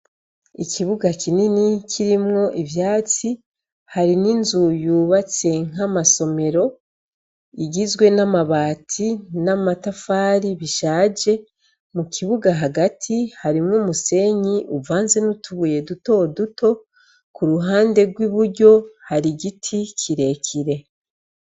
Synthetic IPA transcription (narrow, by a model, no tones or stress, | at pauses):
icʰiβuɡakʰininicʰiɾimŋo̞ʔivjaːt͡si | haɾininzujuːβat͡se̞ŋ̥amaso̞me̞ɾo̞ | iɡizɡwe̞namaβaːtʰinamatafaːɾiβiʃaːd͡ʒe̞ | mukiβuɡaɦaɡatʰihaɾimŋumuse̞ɲiʔuvaːnze̞nutʰuβuje̞duto̞dutʰo̞ | kuɾuɦaːnde̞ɡwiβuɾɟo̞haɾiɟitʰicʰiɾe̞cʰiɾe̞